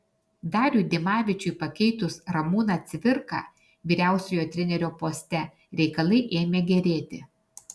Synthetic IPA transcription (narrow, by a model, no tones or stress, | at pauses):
d̪ɑːɾʲuːd̪ʲɪmɑːʋʲɪt͡ʃʲʊɪpɐkʲɛɪt̪ʊsɾɐmuːnɐɐt̪ʲsʲʋʲɪɾkɐ̰ | ʋʲiːɾʲæˑʊsʲoːjoːt̪ʲɾʲɛnʲɛɾʲoːposʲt̪ʲɛ | ɾʲɛɪkɐlˠɐɪʔeːmʲeːɡʲɛɾʲeːt̪ʲɪ